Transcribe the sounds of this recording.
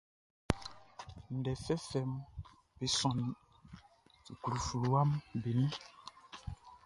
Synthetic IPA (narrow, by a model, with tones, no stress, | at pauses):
n̩˨dɛ˨fɛ˦fɛ˨m | be˨sɔ̃˨nĩ˨ | ti˨ku˨ɾu˨fu˨lu˨wa˦mbe˨nĩ˦